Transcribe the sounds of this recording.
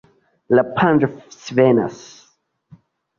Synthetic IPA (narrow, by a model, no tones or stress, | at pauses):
lapʰãndfsvɛna̰s